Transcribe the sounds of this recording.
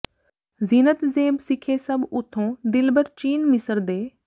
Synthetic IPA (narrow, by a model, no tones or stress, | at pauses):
ziːnət̪zeːbsɪkʰeːsəbʊt̪ʰːõːd̪ɪlbəɾt͡ʃiːnmɪsəɾd̪eː